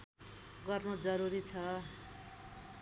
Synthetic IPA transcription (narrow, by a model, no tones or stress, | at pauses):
ɡʌrnod͡zʌɾuɾit͡sʰʌ